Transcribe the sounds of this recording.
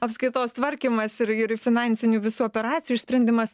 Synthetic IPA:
ɐpskɾɪt̪oːst̪ʋɐɾʲkʲiːmɐsɪɾɪɾfʲɪnɑːnʲsʲɪnʲuːʋʲɪsuːɔːpʲɛɾɑːtt͡sʲɪjuɪʃsʲpʲɾʲɛnʲd̪ʲɪmɐs

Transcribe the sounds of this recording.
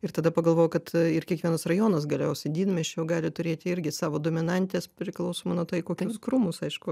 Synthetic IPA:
ɪɾt̪ɐd̪ɐpɐɡɐlˠʋoːjʊkɐt̪ɪɾkʲɛkʋʲiɛnɐsrɐjoːnɐsɡɐlʲɛjosʲɪd̪ʲiːd̪mʲɛʃʲɛʊɡɑːlʲɪt̪ʊɾʲeːt̪ʲɪɪɾʲɡʲɪsɑːʋoːd̪oːmʲɪnɐnʲt̪ʲeːspʲɾʲɪklˠɐʊsoːmonuɔt̪ɐɪkoːkʲʊskɾumʊsɐɪʃkʊ

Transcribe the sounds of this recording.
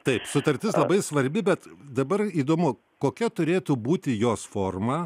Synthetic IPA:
t̪ɐɪpsʊt̪ɐɾʲt̪ʲɪslˠɐbɐɪsʋɐɾʲbʲɪbʲɛt̪d̪ɐbɐriːd̪oːmʊ | koːkʲɛt̪ʊɾʲeːt̪uːbuːt̪ʲɪjoːsfoːrmɐː

